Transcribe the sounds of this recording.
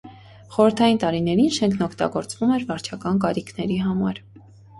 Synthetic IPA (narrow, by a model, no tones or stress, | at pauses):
χɔɾəɾt̪ʰɑjint̪ɑɾinɛɾinʃɛŋkʰnɔkʰt̪ɑ̰ɡɔɾt͡svumɛɾvɑɾt͡ʃʰɑkɑnkɑɾikʰnɛɾiɦɑmɑɾ